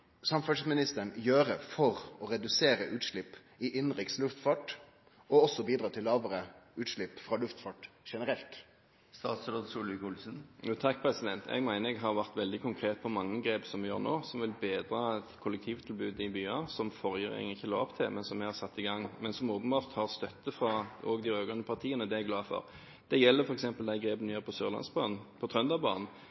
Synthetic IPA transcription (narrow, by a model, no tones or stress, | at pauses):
sɑmfœsmɪnɪst̪əɳjøːɾəfɔɾɔɾɛd̪ʉseːɾəʔʉːt̪ʂɭɪpː | ɪʔɪnʁɪkslʉft̪fɑːʈ | ɔɔsːɔbiːd̪ɾɑːt̪ʰɪlːɑːʋəɾəʉːt̪ʂɭɪpːfʁɑlʉft̪fɑːʈʂɛnəɾɛlt̪ | st̪ɑːt̪sɾot̪suːlʋɪkʊlsənjuːt̪ʰɑkːpʰʁɛsɪd̪ɛnt̪ʰɛ̰ɡmæɪnəɾɛɡɦɑʋæʁt̪ʋɛld̪ɪkʰʊŋkʰʁeːt̪̚pʰɔmɑŋːəɡɾeːpsɔmʋɪjø̰ːʁnoːsɔmʋɪlbeːd̪ʁɑːɛt̪kʰʊlːɛk̚t̪ʰiːʋt̪ʰɪlbʉːd̪ɪbyːɑsɔmfɔʁjəʁɪ̰ŋŋɪçːəlɑːɔpt̪ʰɪlmɛnsɔmɛɡhɑʁsɑt̪ːɪɡɑŋːmɛnsɔmoːpənbɑːʁt̪hɑʁst̪œt̪ːəfʁɑɔɡd̪ɪɾøːɡɑnəpʰɑʁt̪ʰiːənəd̪ɛæɡlɑːfɔ̰ʁ | d̪̥ɛjɛlːəɾfɔɾʁɛksɛmpəld̪æɪɡɾeːpənɛʁəpʰɔsøːʁlɑ̰nsbɑːnn̩pʰɔt̪ʰʁœnd̪ɑbɑ̰ːnn̩